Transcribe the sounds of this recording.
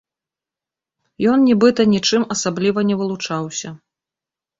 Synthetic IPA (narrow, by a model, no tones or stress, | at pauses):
jɔnnʲibɨt̪ɐnʲit͡ʂɨmɐsablʲivɐnʲɛvɨlˠut͡ʂawsʲɐ